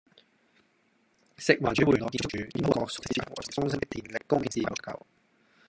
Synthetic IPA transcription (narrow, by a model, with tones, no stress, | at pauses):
sɪ˨k̚waː˨˩t͡ʃyː˨˥wuː˨˩lɔː˨˧kiː˧˩t͡ʃ̚ʰt͡ʃyː˨˧iː˥t̪o˥kɔː˨˧k̚sʊ˥k̚si˧˥i˨˩wɔ̰ː˨˩˨tʊ˥ŋsɐ˥t̪ɪ˥k̚t̪iː˨˩nlɪ˨kkʊ˥ŋkɛː˧˩iː˧˩˨kʰːɐ̰˨w